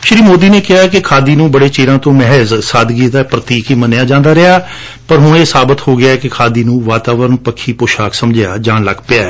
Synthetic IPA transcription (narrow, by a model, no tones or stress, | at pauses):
ʃɪɾiːmoːd̪iːneːkɪɦaːkɪkʰaːd̪iːnũːbəɽeːt͡ʃeːɾãːt̪õːmɛɦəzsaːd̪ɡiːd̪aːpɾət̪iːkiːmənɪjaːd͡ʒãːnd̪aːɾɪaː | pəɾɦʊɳeːsaːbət̪hoːɡɪjaːɛkɪkʰaːd̪iːnũːʋaːt̪aːʋəɾənpəkʰːiːpʊːʃaːksəmd͡ʒɪjaːd͡ʒãːnləɡpɪaːɛ